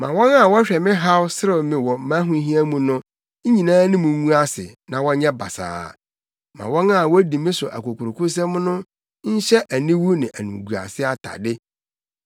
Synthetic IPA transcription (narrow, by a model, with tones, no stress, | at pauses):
mã̰˨wɔ̃˦na˦˨wɔ˦ɕᶣɛ˨mɪ̃˦ɦa˦wsɾɪ˦˨mɪ̃˨wɔ˨mã˦ɦũ˦ɦĩ˦æ˦mũ˨nʊ̃˦ | ɲĩ˨nãː˦nɪ̃˦mũ˨˦ŋũ˦a˦sɪ̰˨nã˨wɔ̃˦ɲɛ̃˦ba˨sa̰ː˨ | mã̰˨wɔ̃˦na˦˨wɔ˦di˨mɪ̃˦sʊ˨ʔa̰˨ko˨kʰʊ˨ɾkʰʊ˦s̬ɛ̃˦m˦nʊ̃˦ | ɲ̩˦ɕɛ˦ʔæ˨nĩ˦wu˦nɪ̃˨ʔæ̰˨nṵ̃˨ɡu˨a̰˨sɪ˦a˨tʰa̰˨dɪ˦